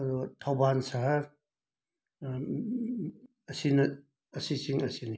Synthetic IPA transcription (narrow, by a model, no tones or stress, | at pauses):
ɐdutʰawbansaɦaɾ | ɐsinɐ | ɐsisiŋɐsini